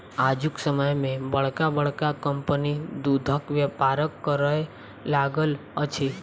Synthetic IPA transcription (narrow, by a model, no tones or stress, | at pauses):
ad͡ʒuksəməjmẽbəɭkabəɭkakəmpənid̪ud̪ʱəkʋjəpaɾəkːəɾəj | laɡəl | ət͡ʃʰi